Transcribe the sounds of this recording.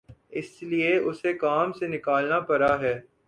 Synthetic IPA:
ɪslieʊsekaːmsenɪkaːlnapɐɾaɦɛː

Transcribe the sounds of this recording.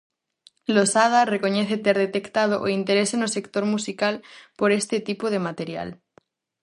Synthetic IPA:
losað̞arekoɲeθet̪eɾðet̪e̞kt̪að̞oʔoint̪eɾesenose̞kt̪o̞ɾmusikalpoɾest̪et̪ipoð̞emat̪e̞ɾja̰l

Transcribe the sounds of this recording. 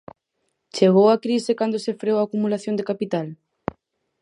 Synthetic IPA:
t͡ʃeɣ̞owakɾisɪkand̪osefɾeowaːkumulaθjõnd̪ekapit̪al

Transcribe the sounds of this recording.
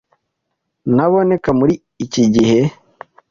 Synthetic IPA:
naβonekamuɾiːciɟihe

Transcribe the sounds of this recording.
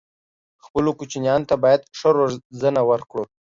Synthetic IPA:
xpəlokut͡ʃinjɑnot̪abɑjad̪ʂəɾoʐzənawəɾkɽo

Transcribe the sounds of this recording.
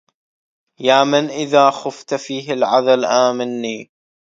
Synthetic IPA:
jaːmɪnʔɪðaːxʊft̪fiːɦɪlʕaðalʔaːmɪnːiː

